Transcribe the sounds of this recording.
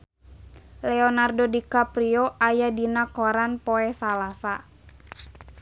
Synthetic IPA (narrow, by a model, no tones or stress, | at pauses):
lɛɔnardodikapɾioʔajadinakɔɾanpɔɛsalasa